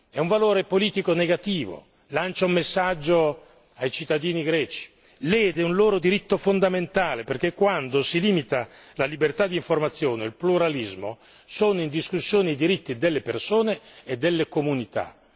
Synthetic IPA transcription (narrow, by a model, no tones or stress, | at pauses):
ɛuɱvaloːɾepoliːt̪ikoneɡat̪iːvo̰ | lant͡ʃaumːesːad͡ʒːo | ajt͡ʃit̪ːad̪iːniɡɾɛːt͡ʃi̥ | leːd̪eunloːɾod̪iɾit̪ːofond̪ament̪aːleperk̟ekːwand̪osiliːmit̪a | lalibert̪ad̪ːiɱformat̪sːjoːneilpluɾalizmo | soːnoind̪iskusːjoːneid̪iɾit̪ːid̪elːepersoːneːd̪ːelːekomunit̪a̰